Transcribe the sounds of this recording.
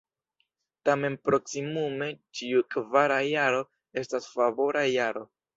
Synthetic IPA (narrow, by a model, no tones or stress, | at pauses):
tame̞npɾo̞ksimume̞t͡ʃiukvaɾajaɾo̞ | e̞stasfavo̞ɾʔajaɾo̞